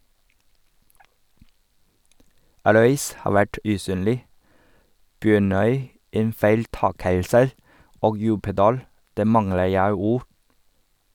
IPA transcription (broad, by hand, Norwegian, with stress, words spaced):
ˈɾœʏs ˈhɑː ˈʋæʈ ʉˈsyːnlɪ ˈbjøːɳœʏ ˈeːn fæɪlˈtɑːkəlsə ˈoːɡ ˈjʉːpədɑːl ˈdæː ˈmɑŋlə ˈjæɪ ˈuːɾ